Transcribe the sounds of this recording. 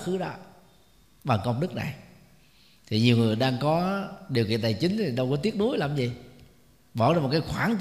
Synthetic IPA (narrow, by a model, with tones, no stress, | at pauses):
xɨ˨˦ɗa̰ː˧˨ | ɓaː˨˩ŋkɔ˧ŋ͡mɗɨ˦˥k̚na̰˨˩j | t̪ʰi˨˩ɲi˨˩əwŋɨ˨˩əjɗaː˧ŋkɔ˨˦ɗi˨˩əwkḭ˧˨ənt̪aː˨˩jt͡ɕï˨˦ŋt̪ʰi˨˩ɗə˧wkɔ˨˦t̪i˦˥ət̚nu˨˦jlaː˧˩mzi˨˩ | ɓɔ˧˩ɾjm˨˩t̚kːaː˨˦jxwaː˧˩˦ŋ